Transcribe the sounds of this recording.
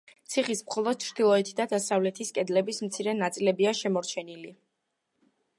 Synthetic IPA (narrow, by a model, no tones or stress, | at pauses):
t̪sʰiχismχɔlˠɔd̪̥̚t͡ʃʰɾd̪ilˠɔɛt̪ʰid̪ad̪asavlɛt̪ʰiskʼɛd̪lɛbismt̪sʰiɾɛnat̪sʼilɛbiaʃɛmɔɾt͡ʃʰɛnili